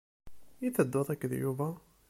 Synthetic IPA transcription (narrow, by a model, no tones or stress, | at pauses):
jiθəd̪ːoðˤækːðjuvæ